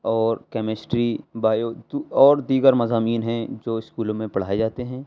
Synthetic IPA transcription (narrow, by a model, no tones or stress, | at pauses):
ɔːɾkɛːmɪsʈɾibaːjod̪uɔːɾd̪iːɡəɾmɐzaːmiːnɦɛ̃d͡ʒoːɪskuːlõmẽpɐɽ̤aːed͡ʒaːt̪eɦɛ̃ː